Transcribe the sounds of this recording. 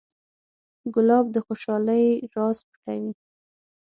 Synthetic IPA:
ɡʊlɑb̚d̪əxoʃɑləjɾɑzpə̥ʈawi

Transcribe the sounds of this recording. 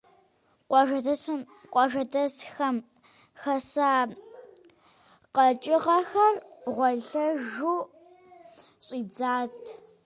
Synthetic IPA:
ʒɐɐ | qʷʼɔʒɐdɐsxɐm | xɐsaː | qɐt͡ʃʼɪʁɐxɐrʁʷɔɮɐʒuː | ɕʼiːd͡zaːtʰ

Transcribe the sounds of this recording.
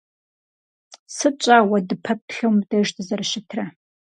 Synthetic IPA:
sɨt͡ʃʷʼaːwɐdɨpʰɐp̚ɬɐmdɐʒtʰɨzɐrʃɪtʰrɐ

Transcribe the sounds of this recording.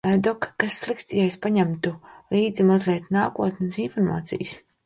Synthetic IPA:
ad̪ɔkːasːlˠikt̪jajspaɲamt̪ulˠiːd̪zimazlʲɛːt̪naːkuɔt̪nsinfɔɾma̰ːt̪sḭjs

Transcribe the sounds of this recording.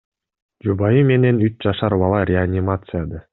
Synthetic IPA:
d͡ʒubɑjɯme̞ne̞nyt͡ʃd͡ʒɑʃɑɾbɑlˠɑɾʲeanʲɪmat̪sɨjad̪ə

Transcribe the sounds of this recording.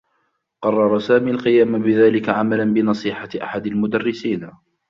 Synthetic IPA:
qɑrˤːɑɾˤɑsaːmiːalqɪjaːmbɪðaːlɪkaʕamalanbɪnɑsˤiːħaʔa̰ħad̪almʊd̪arːɪsiːn

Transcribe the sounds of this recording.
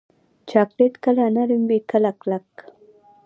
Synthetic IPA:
t͡ʃaklet̪kalanaɾimbikalaklak

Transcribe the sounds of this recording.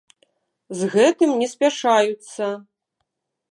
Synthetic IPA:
zɣɛt̪ɨmnʲɛsʲpʲaʂajut̪sːɐ

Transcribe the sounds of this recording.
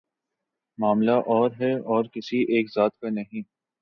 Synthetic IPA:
maːmlaʔɔːɾɦɛɔːɾkɪsieːkzaːt̪kanɐɦĩː

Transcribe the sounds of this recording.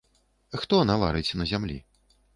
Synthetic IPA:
xt̪ɔnava̰ɾɨt͡sʲnɐzʲamlʲḭ

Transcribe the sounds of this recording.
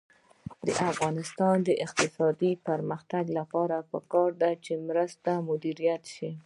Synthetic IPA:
d̪ə̰ʔafɣɑnɪst̪ɑnd̪əʔɪq̚t̪ɪsɑd̪ipəɾməxt̪aɡlapɑɾapəkɑɾd̪at͡ʃemɾəst̪amʊd̪iɾijat̪ʃi

